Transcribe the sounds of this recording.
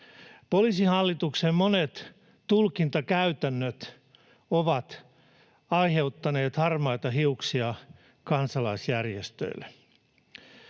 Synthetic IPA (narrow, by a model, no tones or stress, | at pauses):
polisihɑlːit̪uksemmonet̪ | t̪ːulkint̪ɑkæyt̪ænːøt̪ | oʋɑt̪ | ɑijhe̞ut̪ːɑneːt̪hɑrmɑjt̪ɑɦiuksiɑ | kɑnsɑlɑisjærjest̪ø̰ilːḛ